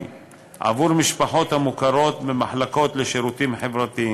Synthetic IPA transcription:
ʔa̰vuɾmiʃpaħo̞t̪hamukaɾo̞t̪bemaħlako̞t̪leʃeɾut̪imħevɾat̪ii

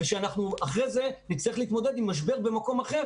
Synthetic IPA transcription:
veʃeanaχnuaχʁeze̞nit͡slaiχleit̪mo̞d̪e̞d̪imːaʃ̬be̞ʁbe̞mako̞maχe̞

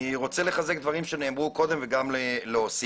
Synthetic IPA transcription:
iʁo̞t͡sele̞χaze̞kd̪vaʁimʃene̞ːmʁuko̞d̪e̞mveɡamleleosi

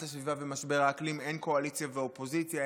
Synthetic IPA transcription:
tasvivavemasbeʁaːklime̞nko̞alit͡sjaveopo̞zit͡sja

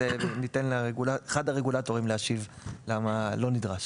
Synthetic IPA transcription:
enitenlʁeɡulaeχadaʁeɡulato̞ʁimleaʃiv | lamalo̞nidʁaʃ

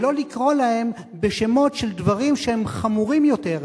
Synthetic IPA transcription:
lo̞likʁo̞lahe̞m | beʃe̞mo̞tʃe̞ld̪vaʁimʃehemχamuʁimjo̞te̞ʁ

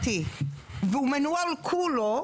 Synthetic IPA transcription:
t̪iveumenualkʰulo

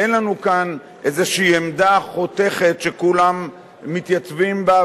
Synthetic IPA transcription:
enlanukan | ʔezeʃiːemd̪aχo̞t̪e̞χe̞tʃekulamː | it̪jat͡svimba

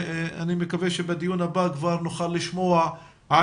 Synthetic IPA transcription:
animekaveʃebed̪ijunabakvaʁnoχalːiʃmo̞a | a

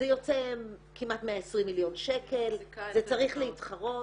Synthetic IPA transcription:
ejo̞t͡sekimatmeaesʁimːiljo̞nʃekʰe̞lzet͡saʁiχleitχaʁo̞

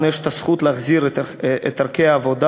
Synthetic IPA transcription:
njɛʃt̪ɐsχut̪leːχziɾt̪ɛt̪aɾkʲejaːvod̪a

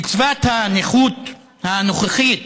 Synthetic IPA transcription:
it͡svat̪haneχut̪ | hanoχeχit

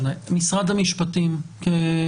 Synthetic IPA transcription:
namisʁad̪hamiʃpat̪imke

